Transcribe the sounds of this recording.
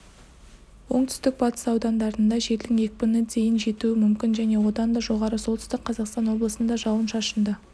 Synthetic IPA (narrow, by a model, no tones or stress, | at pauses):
wo̞ɴt̪ʰʏ̥st̪ɪk̚bɑt̪ə̥sɑwd̪ɑnd̪ɑɾənd̪ɑʒe̞ɾd̪ɪŋe̞kʲɪbɪned̪ʰe̞jɪnʒe̞t̪uɪmʏmkʲɪnʒæne̞wo̞d̪ɑnd̪ɑʒo̞ʁɑɾəso̞lˠt̪ʰʏst̪ɪk̚qʰːɑzɑqst̪ɑnwo̞blˠəsənd̪ɑʒɑwˠənʃɑʃənd̪ə